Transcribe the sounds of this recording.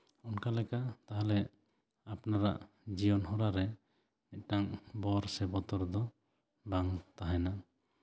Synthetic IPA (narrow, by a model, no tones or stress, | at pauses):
ɔnkalɛkaʔt̪aɦalɛ | apnaɾa̰ʔ | d͡ʒiɔnɦɔɾaɾɛ | nɛt̪̚ˀʈaŋbɔɾsɛbɔt̪ɔɾd̪ɔ | baŋt̪aɦajna